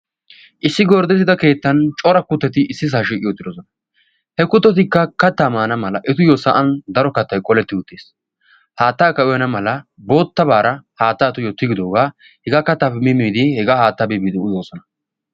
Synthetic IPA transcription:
ʔɪsːɪɡɔːɾd̪ɛt̪ːɪd̪ɐke̞ːt̪ːɐnt͡ʃʼɔɾɐkʊt̪ːɛt̪ɪɪsːɪs̬aːʃ̬iːkʼɪjɔt̪ːɪd̪ɔsɔnɐ̥ | hɛkʊt̪ːɔt̪̬ɪkːɐkɐt̪ːamaːnɐmɐlɐʔɛt̪ʊjɔsɐʔɐnd̪ɐɾɔkɐt̪ːɐjkʼɔlɛt̪ːɪʊt̪ːeːs | haːt̪ːaːkɐʊjɐnɐmɐlɐbo̞ːt̪ːɐbaːɾɐhaːt̪ːaːt̪ʊjɔt̪ːɪɡɪd̪o̞ːɡaː | hɛɡakɐt̪ːapːɛmɪmːiːd̪ɪhɛɡahaːt̪ːɐbibiːd̪ɪʊzoːsɔnɐ

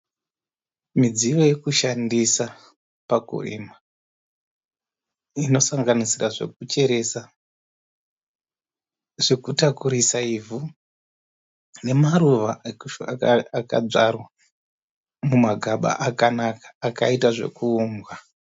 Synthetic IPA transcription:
mid͡ziʋo̞je̞kuʃandisa | pakṵrḭːma | ino̞saŋɡanisiraʐe̞̰k̚ut͡ʃe̞ɾe̞sa | ʐ̥e̞kutakuɾisaivu | ne̞maɾuʋaeku | ka̰b͡ʐarwa | mumaɡʱaɓa̰ʔakanakḁːkaitaʐe̞̰kuuːmɡwa

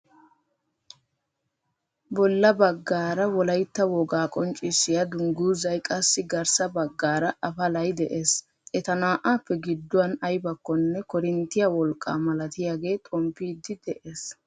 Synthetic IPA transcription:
bɔlːɐbɐɡːaːɾɐwɔlɐjt̪ːɐwɔɡaːkʼɔnt͡ʃʼːɪsːɪjɐd̪ʊŋɡuːzɐjkʼɐsːɪɡɐɾsɐbɐɡːaːɾɐʔɐfɐlɐjd̪ɛʔe̞ːs | ʔɛt̪ɐnaːʔaːpːɛɡɪd̪ːʊwɐnɐjbɐkːɔnːɛkɔɾɪnt̪ːɪjɐwɔlkʼːa̰ːmɐlɐt̪ɪjaːɡe̞ːt̪ʼɔmpːiːd̪ɪd̪ɛʔeːs

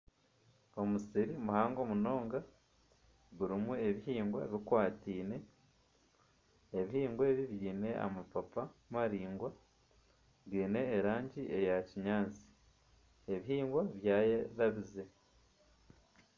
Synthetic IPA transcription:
o̞musiɾimuhaːŋɡo̞muno̞ːŋɡa | βuɾimue̞βihiːŋɡwa̰βikwaːtiːne̞ | eβihiːŋɡweβiβjiːne̞a̰mapapamaɾiːŋɡwa | βjiːne̞ːɾaːɲɟiʔejaciɲaːnt͡si̥ | eβihiːŋɡwaβjaːjeðaβize̞

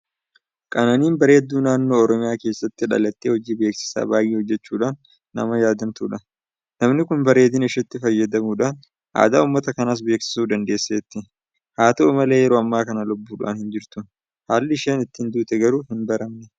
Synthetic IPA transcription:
kʼɐnɐniːnbɐɾe̞ːd̪ːuːnaːnːo̞ːɔɾɔmɪjaːke̞ːsːɐt̪ːɪᶑɐ̰lɐt̪ːeːhɔd͡ʒiːbeːksɪ̥sa̰ːbaːjʔːeːhɔd͡ʒːɛt͡ʃːuːᶑanː | ɐ̰mɐjaːd̪ɐnt̪uːᶑɐ | nɐmnɪkʊnbɐɾe̞ːd̪ɪnɪʃɛt̪ːɪfɐjːɐd̪ɐmuːᶑɐn | ʔa̰ːd̪aːuːmːɐt̪ɐkɐnas̬be̞ːksɪ̥suːd̪ɐnd̪eːsːeːt̪ːɪ | haːt̪ɐʊmɐle̞ːjɛɾoːɐmːaːkɐnɐlʊbːuːᶑʊ̰ʔɐ̰nhɪnd͡ʒɪɾt̪ʊ | haːlːɪɪʃeːnɪt̪ːɪnd̪uːt̪ɛɡɐɾuːhɪnbɐɾɐmnɛ

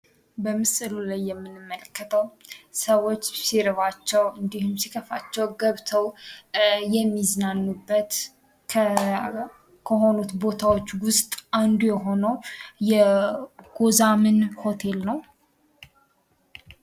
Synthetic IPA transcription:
bəmɨsɨlulajːɛmːɨnɨmːələkːət̪ʰəwsəwo̞t͡ʃːsiɾɨβat͡ʃːɛwɨnd̪ihumsikʰəfat͡ʃːɛwɡəβt̪ʰəw | jɛmːiznanːubːət̪ʰ | kʰəɦo̞nut̪bo̞t̪ʰawo̞t͡ʃːwʊst̪ʼʔand̪ujɛɦo̞nəwjɛ | ɡ̥ozamɨnho̞t̪ʰe̞lnəw

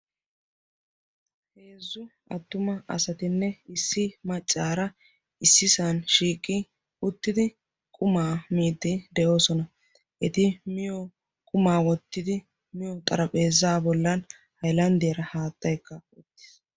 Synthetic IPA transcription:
heːzːʊʔɐt̪ːʊmɐɐ̰sɐt̪ɪnːɛɪsːɪmɐt͡ʃʼːaːɾɐ | ɪsːɪsɐnʃiːkʼːɪ | ʊt̪ːɪd̪ɪ | kʼʊmaːmiːd̪ːɪd̪ɛjo̞ːsɔnɐ | ʔɛt̪ɪmɪjɔ | kʼʊmaːwɔt̪ːɪd̪ɪ | mɪjɔt̪ʼɐɾɐpʼeːzːaːbɔlːɐn | hɐjlɐnd̪ɪjɐɾɐhaːt̪ːɐjkːɐɔt̪ːɪ̥s

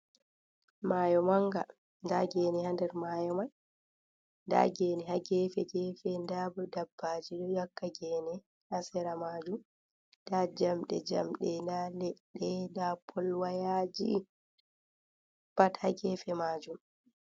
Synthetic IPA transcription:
maːjɔmaŋɡa | ndaɡeːnihandɛɾmajɔmaj | nda̰ɡeːniɦaɡɛfɛɡɛfɛndabɔdabːad͡ʒiɗɔjakːaɡɛːnɛ | ʔasɛɾamaːd͡ʒum | d̥ad͡ʒamɗɛ̰d͡ʒa̰mɗɛndalɛɗːɛdapʰɔlwajaːd͡ʒḭ | pathaɡɛːfɛmaːd͡ʒum

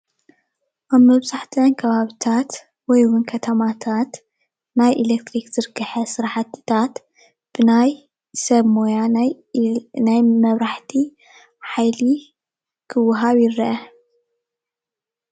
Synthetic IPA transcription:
ʔamɐβzaħt̪ʰɐnkʰɐβaβit̪ʰat̪ | wɔjwʊnkʰɐt̪ʰɐmat̪ʰat̪ | najʔilek̚t̪ɾikzɨɾɨɡɨħɐsɨɾħat̪ɨt̪ʰat̪ | b̥ɨnaj | sɐβmojanj | najmɐβɾaħt̪ʰi | ħajli | kʰɨwʊɦaβjɪɾɐʔɐ

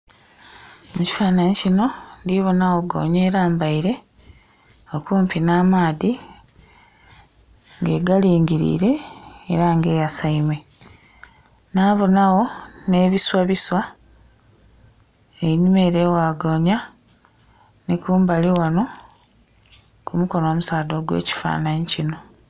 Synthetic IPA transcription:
muci̥faːnaɲcino̞ndiβo̞nawoɡo̞̰ːɲe̞ːɾaːmbaiɾe̞ | okuːmpinaːmaːði | ŋɡe̞ɡaliːŋɡiɾḭːɾe̞ːɾaŋɡe̞ːjasaimwe̞ | naːβonawo̞ne̞ːβiswaβiswa | einimeɾeːwaːɡo̞ɲa | nekuːmbaliwano̞ | kumuko̞no̞ːmusaːdo̞ːɡwḛːci̥fa̰ːnaɲicino̞

